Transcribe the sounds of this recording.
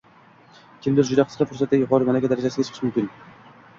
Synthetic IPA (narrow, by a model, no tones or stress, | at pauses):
kʲʰɪmlɪɾd͡ʒʊd̪aqʰɨz̥qɨfʊɾsat̪̚d̪ʲajʊqʰɒɾɨmalakʲad̪aɾad͡ʒasɪɡʲat͡ʃʰɨ̥ɨʃmʊmkʲɪn